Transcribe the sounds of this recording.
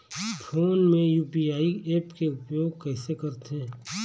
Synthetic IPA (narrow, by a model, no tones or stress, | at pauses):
fʰoːnmẽjuːpiaːieːpkeʊpjoːɡ̚kɛːsekɐɾt̪ɦɛ̃ː